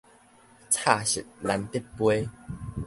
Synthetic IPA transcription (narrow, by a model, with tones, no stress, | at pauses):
t͡sʰa˥˨ɕḭ˨˩t̚la˨˦nt̪i˥˦pwe˦